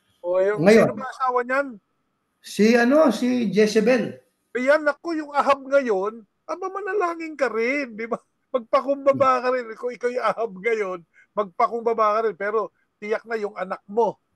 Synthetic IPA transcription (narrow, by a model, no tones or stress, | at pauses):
ʔojʊŋŋɐjoɐmaʔɐsaːwɐɲan | siɐno̞sid͡ʒɛsɛbɛl | ʔɐjanɐkːo̞jʊŋɐɦab̚ŋɐjo̞n | ʔɐbamɐlɐlaːŋɪŋkɐɾɪnd̪ɪba | mɐɡ̚pɐkʊŋbɐbaːʔkɐɾɪnkoɪkawjɐhab̚ŋɐjo̞n | mɐɡ̚pɐkʊŋbɐbaːʔkɐɾɪnpɛːɾo̞ | t̪ɪjɐk̚nɐjʊŋɐnak̚mo̞